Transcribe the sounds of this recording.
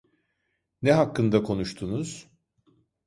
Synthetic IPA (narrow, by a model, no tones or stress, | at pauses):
nɛɦakːɯnd̪akʰo̞nuʃt̪ʰunuz̥